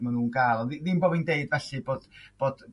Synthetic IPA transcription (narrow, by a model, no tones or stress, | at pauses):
manuːnkalˠɔðiðimboːbindeɨdvɛɬɨboːd̥b̥oːd̥